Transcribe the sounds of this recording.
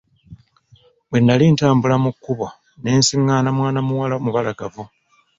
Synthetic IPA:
βwe̞nːaliːntaːmbulamukːuβo | ne̞ːnsiŋːaːnamwaːnamuwalamuβalaɡavu

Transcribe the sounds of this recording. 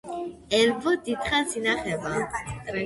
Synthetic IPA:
ɛlvɔd̪it̪χazinaχɛvã

